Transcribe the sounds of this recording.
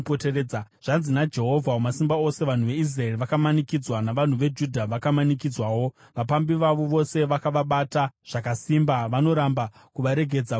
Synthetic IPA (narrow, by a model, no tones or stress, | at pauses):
potereːaʐ̥anzinad͡ʒe̞ɦo̞vʱaomasimbao̞se̞ʋan̤uʋe̞is̬rae̞riʋakamanikid͡zwanaʋan̤uʋe̞d͡ʒudʱaʋakamanik̬id͡zwawo̞ | ʋapambiʋaʋo̞ʋo̞se̞ʋakaʋaɓataʐ̥akasiːmbaʋano̞ɾamba | kuʋaɾe̞ɡʱe̞d͡za